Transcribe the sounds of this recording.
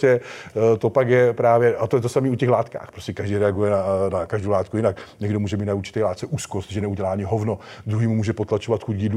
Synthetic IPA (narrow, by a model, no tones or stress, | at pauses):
ɛt̪o̞pakjɛpɾaːvjɛʔat̪ojɛt̪osamiːucɛxlaːt̪ka̰ːxpɾoscɛkaʒdɛjɾɛaɡujɛnanakaʒdowlaːt̪̚kujɪnakɲɛɡdomuːʒɛmiːt̪nauɾt͡ʃɪ̥t̪ɛjlaːt̪t͡sɛʔuːskost̪ʒɛnɛuɟɛlaːʔaɲɪɦovnod̪ɾuɦiːmumuːʒɛpot̪lat͡ʃo̞vat̪xucɡiːdlu